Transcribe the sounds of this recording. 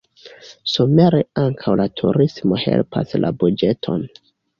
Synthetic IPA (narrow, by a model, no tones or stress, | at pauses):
some̞ɾeaŋkʰawlatʰuɾismo̞he̞̰lpʰa̰slʔa̰bud͡ʒe̞tʰo̞̰n